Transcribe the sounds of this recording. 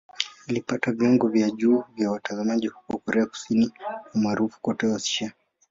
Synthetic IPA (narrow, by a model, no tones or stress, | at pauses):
alipatavjɔŋɡɔvjaʄuːvjawatazamaʄihu̥kwakɔɾɛaku̥siniumaːɾufu̥kɔtɛasi̥ʃa